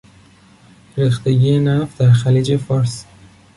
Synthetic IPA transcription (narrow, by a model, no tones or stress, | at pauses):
ɾixt̪e̞ɟiːjenæfd̪æɾxæliːd͡ʒe̞fɒɾs